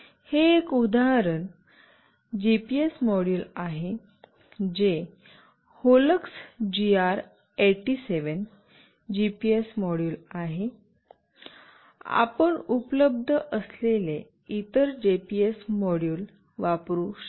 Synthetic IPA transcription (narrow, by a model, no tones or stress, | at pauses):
heːkud̪aɦɾən | d͡ʑipiesmɔɽjuːlaɦe | d͡ʑe | holəksd͡ʑiaɾ | eʈiseʋən | d͡ʑipiesmɔɽjulaɦe | a̰pəɳupləb̚d̪ʱəʔəslele | it̪əɾd͡ʑepiesmɔɽjuːl | ʋapɾuɕ